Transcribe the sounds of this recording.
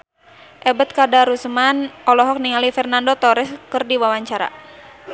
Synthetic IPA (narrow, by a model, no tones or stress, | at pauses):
ʔɛbət̪̚kadaɾusmanʔɔlɔɦɔk̚niŋalifɛrnandot̪ɔɾɛskərdiwawaɲt͡ʃaɾa̰